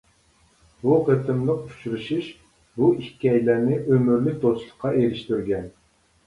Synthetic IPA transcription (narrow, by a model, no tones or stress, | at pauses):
buqʰət̪ʰɪmlˠəqu̥t͡ʃʰuɾuʃiʃ | buihkʲɑjlæɾnɪʔømyɾlɪk̚ʲd̪oslˠə̥qʰːɑeɾɪʃt̪yɾɡʲɛn